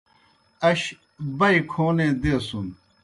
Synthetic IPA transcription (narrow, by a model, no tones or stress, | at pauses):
ɐɕ | bɐikʰoːned̪eːsun